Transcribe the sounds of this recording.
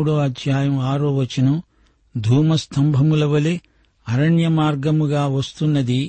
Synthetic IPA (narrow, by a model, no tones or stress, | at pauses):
uɽoːɐd̪ʱjaːjɐmaːɾoʋɐt͡ʃːinu | d̪ʱuːmɐst̪ʰɐmbʱɐmulɐʋɐli | ɐɾɐɳjɐmaːɾɡɐmuɡaːʋɐst̪unːɐd̪i